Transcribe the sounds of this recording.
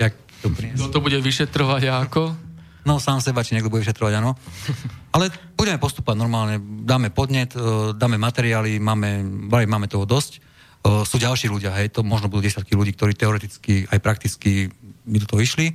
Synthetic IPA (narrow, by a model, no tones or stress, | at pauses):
ak | t̪ɔpɾiɛɔt̪ɔbuɟɛʋiʃɛt̪ɾɔʋaɟakɔ | nɔsaːmsɛbat͡ʃiɲɛɡd̪ɔbuɟɛʋiʃɛt̪ɾɔʋaɟaːnɔ | alɛbuɟɛmɛpɔst̪u̥pɔʋaɟnɔɾmaːlɲɛd̪aːmɛpɔd̪ɲɛt̪d̪aːmɛmat̪ɛɾiaːlimaːmɛbalimaːmɛt̪ɔɦɔd̪ɔscː | suːɟalʃiːluɟɪaɦɛjt̪ɔmɔʒnɔbud̪uːɟɛsɪjat̪kiluɟiːkt̪ɔɾiːt̪ɛɔɾɛt̪it͡skiʔajpɾakt̪it͡skimid̪ɔt̪ɔɦɔiʃli